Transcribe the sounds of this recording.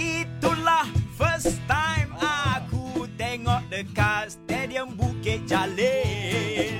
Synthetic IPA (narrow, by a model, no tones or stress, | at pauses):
it̪ulahfəst̪ajmakut̪ɛŋɔʔ̚dəkat̚st̪ɛdiəmbukeʔ̚d͡ʒale